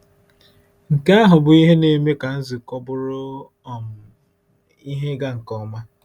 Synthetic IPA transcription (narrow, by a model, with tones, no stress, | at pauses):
ŋ̩˨ka˦a˦ɦʊ˨bʊ˨i˦ɦe˦ne˨me˦ka˨n̩˦zi˨kɔ˦bʊ˦ɾʊ˦˨ | m˨ | i˦ɦe˦ɡa˦ŋ̩˨kɔ˦˨ma˦